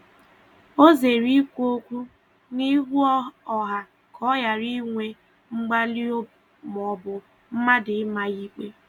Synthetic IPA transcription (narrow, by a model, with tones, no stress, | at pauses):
o˦ze˨ɾi˦kʷo˦kʷu˦ | ni˦ɦu˦ɔ˨ɦa˨ | kʰɔ˦ja˨ɾi˦ŋʷe˦ | ŋ͡m̩˦ɡ͡ba˦li˦ | m˨ɔ˨bʊ˨ | m̩˦ma˦dɪ˨˦ma˨i˦k͡pe˦